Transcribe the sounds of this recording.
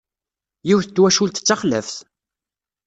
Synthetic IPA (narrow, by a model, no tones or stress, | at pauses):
jiwθət͡s̪ːwæʃult̪ə̥t͡sːaχlə̰fθ